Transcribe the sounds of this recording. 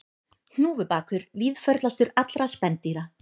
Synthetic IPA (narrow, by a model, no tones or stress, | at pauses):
hnuːvʏpaːkʰʏɾviðfœɾt̪last̪ʏɾat̪lɾaspɛnt̪iɾa